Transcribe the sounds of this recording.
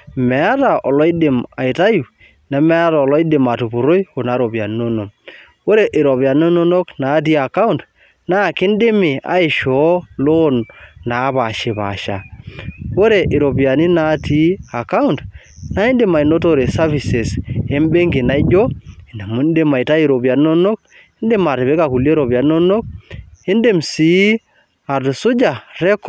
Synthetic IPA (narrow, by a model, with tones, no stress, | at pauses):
mɛ˨a˦ta˨ʔɔ˨lɔ˦i˦de˨ma˨ɪ˨ta˦ju˨ | na˨˦mɛ˦a˦ta˨ɔ˨lɔ˦i˦de˨ma˨tu˨pu˨ɾo˦jo˨na˨ɾo˨ba˨ni˦no˦no˨m | wo˦ɾe˨ʔɪ˨ɾɔ˨βja˨n˦o˦no˦no˦kna˨˦t̬i˦a˨ka˦u˦nt | na˦˨kɪ˦n˦dɪ˦mɪ˨ʔa̰˨ɪ˨ʃɔ˨˦lo˦nna˨˦βa˨ʃɪ˨pa̰˨ʃa̰˨wo˦ɾe˨ʔɪ˨ɾo˨bi˨a˨ni˦na˨˦ti˦a˨ka˦u˦nt | na˦ɪ˦nde˨ma˨i˨no˦to˨ɾe˨sa˦vi˨se˨se˦mbe˦ŋɡi˨na˨i˦d͡ʒɔ˦i˨nda˨mu˨˦nde˦ma˨jta˦i˨ɾo˨bi˨a˨ni˦no˦no˦k̚ | ɪ˦nde˦ma˨tɪ˨βe˦ka˨ku˨lje˦ɾo˨ba˨ni˦no˦no˦k̚e˦nde˨msi˨˦ | a˨tsʊ˦d͡ʒa˨ɾɛ˦k